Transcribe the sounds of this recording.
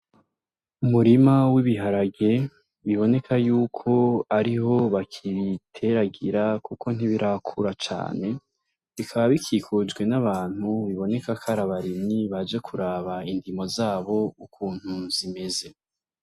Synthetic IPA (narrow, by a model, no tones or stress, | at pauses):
umuɾimawiβiɦaɾaɡe̞ | βiβo̞ne̞kʰajuːkʰo̞aɾiɦo̞βakʰiɾitʰe̞ɾaɡiɾakuko̞n̥iβiɾʔakʰuɾat͡ʃa̰ːne̞ | βikʰaβaβikʰiːkʰud͡ʒɡwe̞naβaːn̥huβiβo̞ne̞kakʰaɾaβaɾimiβad͡ʒekʰuɾaːβaindimo̞zaːβo̞ukʰuːn̥huzime̞ze̞